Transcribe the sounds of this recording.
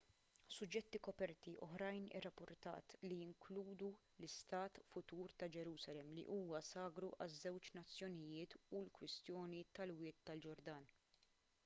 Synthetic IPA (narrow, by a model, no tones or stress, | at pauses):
sʊd͡ʒːɛt̪ːikɔpɛɾt̪iʔɔħɾɐjnɪ̰rːɐpːʊɾt̪ɐ̰ːt̪lijɪŋkluːd̪u | lɪst̪ɐːt̪fʊt̪uːɾt̪ɐd͡ʒɛɾuːsɐlɛmːlḭʔuːwɐsɐːɡɾuʔɐzːɛwt͡ʃnɐt͡sːjɔnɪjɪːt̪ulkwɪst̪jɔːnit̪ɐlwɪːt̪ːɐld͡ʒɔɾd̪ɐːn